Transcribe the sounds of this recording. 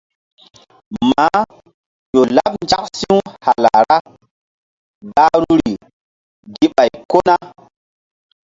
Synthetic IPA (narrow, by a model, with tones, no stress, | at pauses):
ma˨˦ | ʄo˨la˦pnd͡ʒa˦ksi˦wha˨la˨ɾa˦ | ɡa˦ɾu˦ɾi˨ | ɡi˦ɓa˨jko˦na˦